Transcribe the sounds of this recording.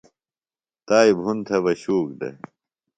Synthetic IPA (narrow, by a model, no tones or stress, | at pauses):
t̪aːibʱunt̪ʰɐʋɐɕuːk̚d̪ḛ